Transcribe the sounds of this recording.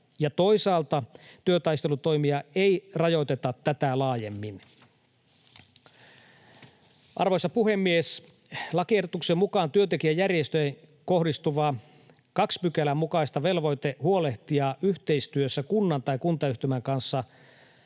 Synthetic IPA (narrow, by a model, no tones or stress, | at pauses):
jɑt̪o̞isɑːlt̪ɑt̪yøt̪ɑist̪e̞lut̪o̞jmiɑejrɑjo̞jt̪e̞t̪ɑt̪ːæt̪ælɑːjemːin | ʔɑ̰rʋo̞jsːɑpuhe̞mːies | lɑkiehdot̪uksemːukɑːnt̪yønt̪ek̟iæjærjest̪øjeŋ | ko̞hdist̪uʋɑː | kɑkspykælæmukɑist̪ɑʋe̞lʋo̞jt̪ehuo̞leht̪iɑːʔyht̪e̞ist̪yøsːækunːɑnt̪ɑikunt̪ɑyht̪ymæŋkɑnsːɑ